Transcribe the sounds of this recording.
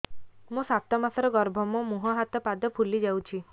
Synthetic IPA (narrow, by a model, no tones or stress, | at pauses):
mũsat̪ɔmasɔɾɔɡɔɾbʱɔmɔmuɦaɦat̪ɔpad̪ɔpʰulid͡ʒawt͡ʃʰi